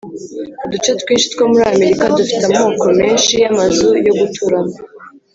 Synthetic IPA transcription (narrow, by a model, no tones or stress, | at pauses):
dut͡ʃetwiːnʃi̥t̪kwomuɾame̞ɾikadufi̥tamho̞ːko̞me̞ːnʃiamazujo̞ɡutʰuɾama